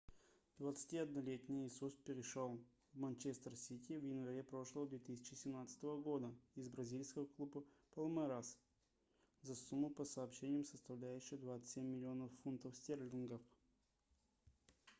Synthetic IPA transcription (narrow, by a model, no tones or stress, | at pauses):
d̪vət̪sɨ̥tʲiɐd̪̚nɐlʲet̪ʲnʲɪjɪsust̪̚pʲɪɾʲɪʂolˠ | vmɐnʲt͡ɕest̪ərsʲitʲɪvjɪnvɐɾʲepɾo̞ʂlˠəvəd̪vʲet̪ɨsʲɪ̥t͡ɕɪsʲɪmnat̪sɨ̥t̪əvəɡo̞d̪əɪzbɾɐzʲilʲskəvəklˠubəpəlˠmɛɾas | zɐsumːʊpəsɐːpɕenʲɪjəmsəst̪ɐvlʲæjʉɕːɪjəd̪vat̪sɨ̥t̪ʲsʲemʲːɪlʲɪo̞nəfːunt̪əfsʲtʲerlʲɪnɡəf